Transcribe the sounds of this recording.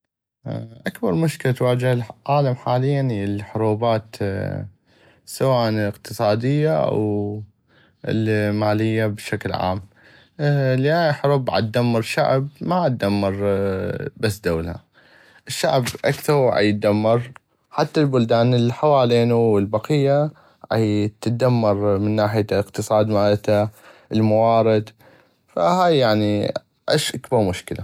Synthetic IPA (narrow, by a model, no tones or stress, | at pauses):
ʔakbɑɾˤmʊʃkɪlat̪waːd͡ʒɪhlʕaːlamħaːlɪjːanlħʊɾuːbaːt̪ | sawaːʔnɪqt̪ɨsˤɑːd̪ɪjːaʔa̰w | lmaːlɪjːabʃaklʕa̰ːm | liʔaħʊɾuːbʕa̰t̪̚d̪amːɑɾˤʃa̰ʕbmaʕat̪̚d̪amːɑɾˤ | basːd̪aːlha̰ | ʔɪʃːaʕbʔa̰kθɑɾˤʕa̰jɪt̪̚d̪amːɑɾˤ | ħat̪ːalbʊld̪aːnɪlħawaːleːnuwɪlbɑqɪjːa | ʕa̰jt̪d̪amːɑɾˤmɪnːaːħɪjəqt̪ɨsˤɑːd̪maːlt̪aʔəlmawɑːɾɪd̪ | fahaːjːaʕni | ʕɪʃʔakbɑɾˤmʊʃkɪla